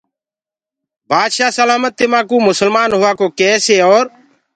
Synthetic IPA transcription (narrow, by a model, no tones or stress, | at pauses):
baːd̪ʃaːsəlaːmət̪ːɪmãːkũːmʊsəlmaːnɦʊaːkoːkɛːseːoːɾ